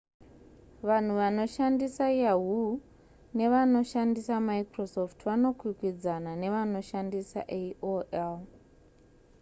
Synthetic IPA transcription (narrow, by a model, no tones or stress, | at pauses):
ʋan̤uʋano̞ʃandisajjaɦu | ne̞ʋano̞ʃandisamaikrosoftʰʋano̞kwikwid͡zanane̞ʋano̞ʃandisa̰ʔeoʔel